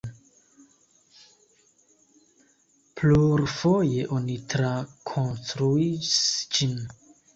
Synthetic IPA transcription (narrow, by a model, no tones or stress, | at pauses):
pʰluɾfojeʔonit̪ɾakʰonstɾuisd͡ʒin